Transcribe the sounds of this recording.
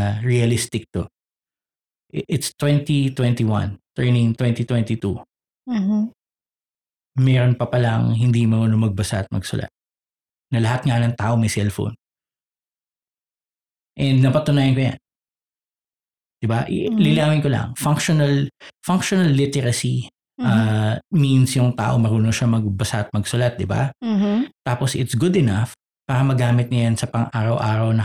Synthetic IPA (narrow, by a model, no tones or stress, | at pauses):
ɐɹiɐlɪst̪ɪk̚t̪o | ʔʔɪt̪st̪wɛnt̪it̪wɛnt̪iwɐ̰̃nt̪ɛɹnɪŋt̪wɛnt̪it̪wɛnt̪it̪u | mɛɾonpɐpɐla̰ŋhɪnd̪imɐŋonomɐɡ̚bɐsaʔɐt̪̚mɐ̰ɡsʊ̰lʔa̰t̪̚ | nɐlɐhat̪̚ŋanɐŋt̪aːʔomɐjsɛlfo̰n | ʔɛnd̪̚nɐpɐt̪ʊnaːjɪnkoja̰n | d̪̥ɪbaʔlɪlaːmɪnkolɐ̰ŋfaŋkʃonɐlfaŋkʃonɐlːɪt̪ɛɾɐsi | ʔaminsjʊŋt̪a̰ːʔo̞mɐɾuːnoʃamɐɡbɐsaʔɐt̪̚mɐɡsʊlat̪̚d̪ɪba̰ | t̪aːposɪ̰t̪sɡʊd̪ɛnaf | paːɾɐmɐɡaːmɪt̪̚nɐjansɐpɐŋʔaːɾɐwʔaːɾɐwnɐ